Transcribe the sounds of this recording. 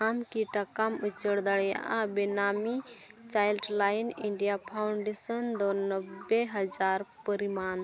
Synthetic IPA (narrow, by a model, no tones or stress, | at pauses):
amkiʈakamut͡ʃəɽd̪əɽja̰ʔabinamit͡ʃajlɖlajniɳɖijapʰaʊɳɖesənd̪onəbːeɦəd͡ʒaɾpəɾiman